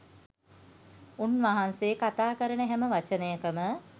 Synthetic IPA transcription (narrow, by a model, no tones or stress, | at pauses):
unʋaɦanseːkat̪aːkəɾənəɦɛməʋat͡ʃənəjəkəmə